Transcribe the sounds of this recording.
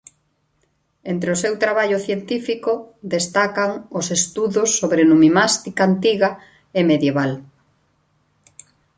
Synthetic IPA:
ent̪ɾeʊsewt̪ɾaβaʎʊθjent̪ifikʊd̪est̪akaŋʊsest̪uðʊsːoβɾenumimast̪ikaːnt̪iɣa | emeðjeβal

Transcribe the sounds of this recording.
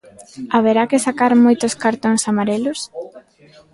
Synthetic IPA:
aβeɾakɪsakaɾmojt̪oskaɾt̪oŋsamaɾelʊs

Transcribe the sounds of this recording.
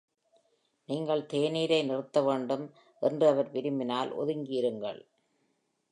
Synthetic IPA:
niːŋɡɐɭt̪eːniːɾɐɪnɪrɯt̪ːɐʋeːɳɖɯm | ʔɛndrɯɐʋɐɾʋɪɾɯmbɪnaːlʔɔ̰ðɯŋɡiɾɯŋɡɐ̰ɭ

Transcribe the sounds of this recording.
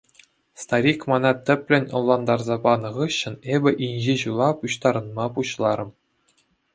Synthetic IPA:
st̪ɑɾʲikmɑnɑt̪ʲɘ̆pʲlʲɘ̆nʲɤ̆lˠːɑnd̪ɑrzɑbɑnɤ̆ʁɯɕːɤ̆nebʲɘ̆ʔinʲʑeʑulˠɑpuɕt̪ɑɾɤ̆nmɑpuɕlˠɑɾɤ̆m

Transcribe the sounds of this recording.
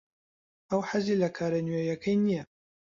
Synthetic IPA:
ʔɐwħazilɐkʰaːɾɐnɥejɐkʰɐjnijɐ

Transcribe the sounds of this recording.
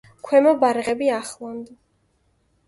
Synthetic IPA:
kʰwɛmɔbaɾʁɛbiaχlˠand̪

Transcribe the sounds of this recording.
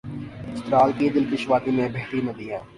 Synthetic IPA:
ɪst̪ɾaːlkid̪ɪlkɪʃʋaːt̪imẽbʱeɦʈimɐd̪iːɦɛ̃ː

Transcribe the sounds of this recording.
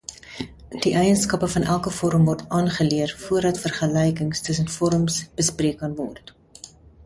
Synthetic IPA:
d̥iʔɛjənskɐpəfɐnʔælˠkəfɔɾəmvɔrtɑːnχəliərfuərdɐtfərχəlɛjkəŋstəs̬ənfɔɾəmsb̥əspriəkɐnvɔ̰rt

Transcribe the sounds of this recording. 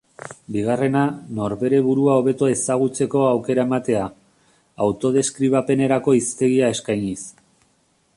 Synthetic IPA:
biɣ̞are̞nano̞ɾβe̞ɾe̞βuɾuao̞βe̞t̪oe̞saɣ̞ut͡se̞ko̞awke̞ɾaemat̪e̞aː | wt̪o̞ð̞e̞skɾiβ̞ape̞ne̞ɾako̞ist̪e̞ɣiae̞skajɲis

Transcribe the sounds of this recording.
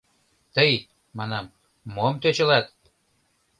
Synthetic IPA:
t̪əj | mɑnɑmː | omt̪øt͡ɕə̆lɑt̪̚

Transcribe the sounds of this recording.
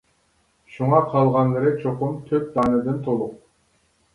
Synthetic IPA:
ʃuɴɑqʰɑlˠʁɑŋɡʲeɾek̚t͡ʃʰoqumt̪ʰøp̚d̪ɑːnɯd̪ɨnt̪ʰolˠuq

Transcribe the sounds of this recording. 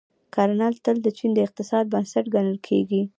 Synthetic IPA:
kʰɑɾnɑlt̪əld̪ət͡ʃind̪əɪq̚t̪ɪsɑd̪̚bansaʈɡanəlkʰeɡi

